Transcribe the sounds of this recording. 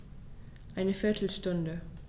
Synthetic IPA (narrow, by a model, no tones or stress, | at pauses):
ʔaɪnəfɛtʰl̩stʊ̃ndə